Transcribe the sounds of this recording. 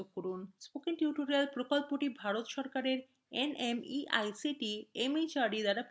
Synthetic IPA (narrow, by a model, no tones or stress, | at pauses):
oɡ̚koɾunspokiŋʈjuʈoɾialpɾokolpoʈibʱaɾot̪ʃɔɾkaɾeɾ | enemiʔa̰jsiʈiemet͡ɕaɾɖid̪aɾap